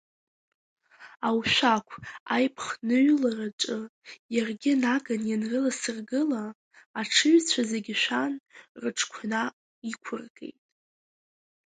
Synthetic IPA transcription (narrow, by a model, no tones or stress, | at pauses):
awʃʷakʷʰa̰jpʰχnɨɥlaraʈ͡ʂʼɨjarɡʲɪnaɡanjanrɨlasɨrɡɨlaː | ʈ͡ʂʰɨɥt͡sʷʰazeɡʲɪʃʷᶣanrɨʈ͡ʂʰkʷʰna | ikʷʰʊrɡe̞̰jtʼ